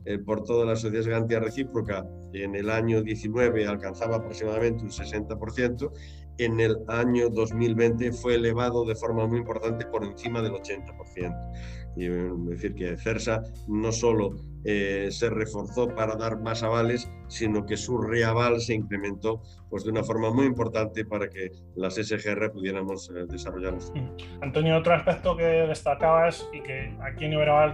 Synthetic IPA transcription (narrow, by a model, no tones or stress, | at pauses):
elpoɾt̪oðelas̬oθjiaszɣaɾant̪iareθipɾoka | enelaɲoðjeθinweβ̞ealkan̟θaβaːpɾoksimaðamẽnt̪̬eunsesent̪apoɾθjent̪o | enelaɲoðo̞zmilβent̪efweːleβ̞aðoðefoɾmamujimpo̞ɾt̪ant̪epoɾẽ̞n̟θimað̞elo̞t͡ʃent̪apo̞ɾθjent̪o̥ | d̪eθiɾkeθeɾsa | no̞so̞lo | esere̞fo̞ɾθopaɾaðaɾmasaβalesːinokesureaβ̞alseiŋkɾe̞mẽnt̪o | pwe̞zðunafo̞ɾmamujimpo̞ɾt̪ant̪epaɾake | lasesexeerepuðje̞ɾamo̞zðe̞saroʝaɾnosant̪onjoot̪ɾoaspek̚t̪okeðe̞st̪akaβasikeakjenjoβeɾaβal